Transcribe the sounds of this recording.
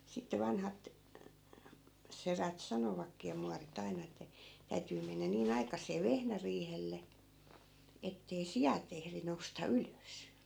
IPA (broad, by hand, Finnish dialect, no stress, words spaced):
sitːe ʋɑnhɑt seræt sɑnoʋɑkːiː jɑ muɑrit ɑinɑ etːæ̆ tæytyː menːæ niːn ɑikɑsˑeː ʋehnæriːhelːe etːei sijɑt ehri noustɑ yløs